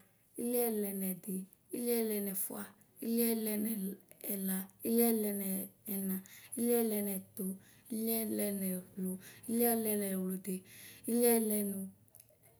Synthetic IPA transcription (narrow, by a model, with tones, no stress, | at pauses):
i˦li˦ɛ˦˨lɛ˨nɛ˨de˨ | i˦lɛ˦lɛ˧nɛ˨fṵ˦a˦ | i˦li˦ɛ˦lɛ˧nɛː˨la˨i˦li˦ɛ˦lɛ˧nɛː˨nã˨i˦li˦ɛ˦˨lɛ˧nɛ˨t̪o˨ | i˦li˦ɛ˦lɛ˧nɛ˨wlo˨i˦li˦lɛ˧nɛ˨wlo˨de˨i˦li˦ɛ˦˨lɛ˧nu˨